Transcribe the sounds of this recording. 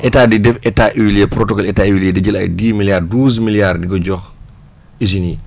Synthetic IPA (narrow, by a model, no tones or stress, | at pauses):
ʔɛtaːdidɛfɛtaʔiwiljɛpɾɔtɔkɔlɛtaiwiljɛdɛɟɐlɐ̰jdiːmiljaːrduːs̬miljardiɡɔɟɔx | is̬ini